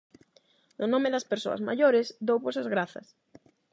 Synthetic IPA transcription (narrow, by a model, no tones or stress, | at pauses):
nʊnõmɪðɐspeɾso̰ɐ̰zma̰ʎoɾɪzd̪owposɐzɣɾaθɐ̰s